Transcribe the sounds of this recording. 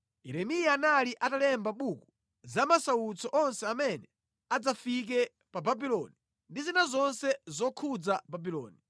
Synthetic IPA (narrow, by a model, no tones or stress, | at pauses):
ɛɾɛmijanaliʔatalɛmbaɓuku | zamasawut͡sɔʔɔnsɛamɛnɛ | ad͡zafik̬ɛ | pababilɔni | ndizinazɔnsɛzɔkʰud͡zababilɔ̰ːni